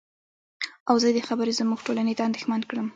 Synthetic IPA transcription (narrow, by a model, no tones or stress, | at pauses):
awzəd̪əxabəɾezəmuɡʈolanet̪aand̪exmankɽəm